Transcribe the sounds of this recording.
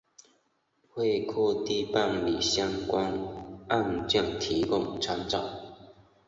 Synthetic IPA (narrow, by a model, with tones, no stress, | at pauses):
hwe˥˧kʰɔ˥˧t̪i˥pa˥˩nlḭ˨˩ɕja˥ŋkwa˦nʔa˥˧nt͡ɕi˥˨˩ŋt̪ʰi˨˦kʊ˥˧˨ŋt͡sʰa˧˥ŋt͡sɑ̰˨˩˦